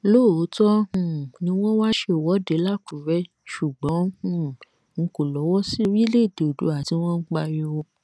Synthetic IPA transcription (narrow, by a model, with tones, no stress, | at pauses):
lo˦˨o˨˦tɔ˦ũ˦˨nĩ˧w̃ɔ̃˦wa˦ʃe˧˨wɔ˨˦de˨˦la˦˨ku˨˦ɾɛ˦ | ʃu˨ɡ͡bɔ̃˨˦ũ˦˨ | ŋ̩˨˧ko˦˨lɔ˨˦wɔ˦si˦ɾi˦le˦˨de˨dṵ˨˦a˨ti˧˦w̃ɔ̃˦n̩˦k͡pa˧jo˧o˧